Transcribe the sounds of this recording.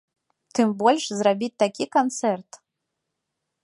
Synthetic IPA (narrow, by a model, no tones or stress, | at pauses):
t̪ɨmbɔlʲʂzrabʲit̚ʲt̪akʲikant̪sɛrt̪